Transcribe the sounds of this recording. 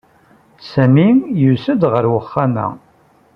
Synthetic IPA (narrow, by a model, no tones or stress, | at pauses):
sæmijusəd̪ʁəɾwəχːamæ̰